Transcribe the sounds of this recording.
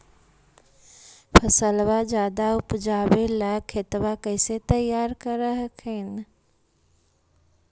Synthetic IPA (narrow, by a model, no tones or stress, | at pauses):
pʰɐsəlʋad͡ʒjaːd̪aʊpd͡ʒaːbelakʰet̪ʋakəɪset̪ɐjaːɾkəɾəɦəkʰen